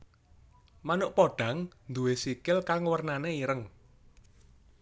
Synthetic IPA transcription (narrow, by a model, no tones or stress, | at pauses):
manʊʔpoɖ̥a̤ŋnd̪uwesikɪlkaŋwərnaneiɾəŋ